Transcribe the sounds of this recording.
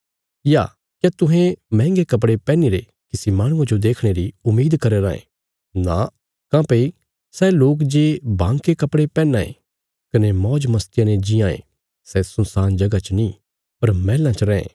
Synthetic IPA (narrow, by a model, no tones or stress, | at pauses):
ja̰ː | kjat̪ʊɦẽmɛ̃ːŋɡekɐp̬ɽepɛ̃ːniɾe | kɪsimaːɽ̃ʊ̃ãd͡ʒod̪eːkʰɽ̃eɾiʊmːiːd̪kɐɾeɾa̰ːḛ̃ | na | kãːpei | sɛloːkd͡ʒeːbãːŋkekɐpɽepɛːnːaːḛ̃ | kɐnemɔːd͡ʒmɐst̪ɪjãned͡ʒijãːḛ̃ | sɛsʊnsaːnd͡ʒɐɡat͡ʃəni | pɐɾmɛːlãt͡ʃəɾɛ̃ːḛ̃ː